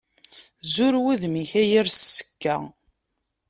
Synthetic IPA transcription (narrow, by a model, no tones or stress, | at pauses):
zuɾwiðmiçæjiɾssːə̥kːæ̰